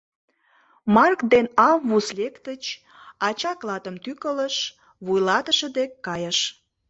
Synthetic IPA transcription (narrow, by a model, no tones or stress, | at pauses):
mɑrkd̪enɑmβuslekt̪ət͡ɕ | ɑt͡ɕɑklɑt̪əmt̪ykələʃ | βujlɑt̪əʃə̆d̪ekːɑjəʃ